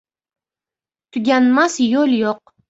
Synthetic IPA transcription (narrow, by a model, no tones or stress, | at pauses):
t̪ʰʊɡʲanmasjoljoq̚